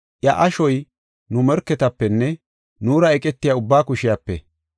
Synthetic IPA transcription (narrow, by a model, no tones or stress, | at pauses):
ʔjɐʔɐʃɔj | nʊmɛɾkːɛt̪ɐpːɛnːɛ | nuːɾɐɛkʼɛt̪ːɪjaʊbːaːkʊʃɪjapːɛ̰